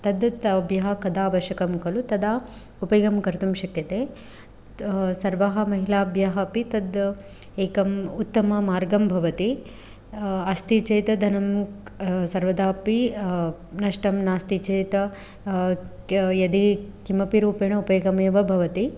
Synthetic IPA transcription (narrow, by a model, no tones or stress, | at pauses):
t̪ɐd̪t̪ɐbjɐɦɐkɐd̪aːʋɐʃjɐkɐmkɐlut̪ɐd̪aː | upɐjɐɡɐmkɐɾt̪umʃɐkjɐt̪eː | sɐɾʋɐɦɐ̆mɐɦilaːbjɐɦɐpit̪ɐd̪ | eːkɐmut̪ːɐmɐmaːɾɡɐmbʱɐʋɐt̪i | ɐst̪it͡ʃejt̪ɐd̪ʱɐnɐm | sɐɾʋɐd̪aːpi | nɐʂʈɐmnaːst̪it͡ʃeːt̪ɐ | jɐd̪ikimɐpiɾuːpeːɳɐupɐjɡɐmeːʋɐbʱɐʋɐt̪i